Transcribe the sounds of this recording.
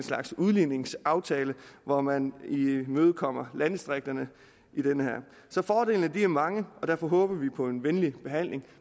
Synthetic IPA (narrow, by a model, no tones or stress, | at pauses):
nslɑ̈ɡ̥suðˠline̝ŋsɑ̈ʊt͡sʰɛːləʋɒmænimøːð̞̩ˠkʰɒ̽m̰ɐlæn̥sd̥ʁeɡ̥̚d̥ɐnə | id̥enəhæɐ̰ | sɒ̽fɒːde̝̰ːln̩əd̥iæɐmɑ̈ŋəɒ̽d̥æɐfɒ̽ɦɔ̽ːb̥ɐʋipʰɒ̽e̝nʋenlib̥e̝ɦæn̰le̝ŋ